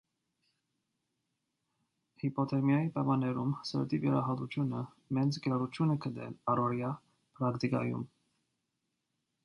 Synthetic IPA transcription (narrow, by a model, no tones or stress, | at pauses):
hipɔt̪ʰɛmjɑjipɛmɑnɛɾumsə̰ɾt̪ivjɛɾɑɦɑt̪ut͡ʃʰjunə | mɛnt͡sʰɡəɾɑɾut͡ʃʰjunɛkʰəd̪ɛ̰lɑɾɔɾjɑ | pɾɑkt̪ikɑ̰jṵm